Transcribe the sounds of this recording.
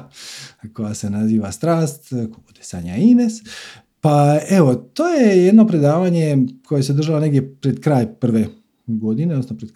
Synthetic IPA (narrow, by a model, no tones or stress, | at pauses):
ko̞jasenaziːʋast̪ɾaːst̪kobud̪esa̰ːɲaines | paeʋo̞t̪oːjejed̪no̞pɾe̞d̪aːʋaɲe̞kʰojes̬ed̪r̩ʒalaneɡd̪je̞pɾed̪kɾaːjpr̩ʋe̞ | ɡo̞d̪ineosnapɾed̪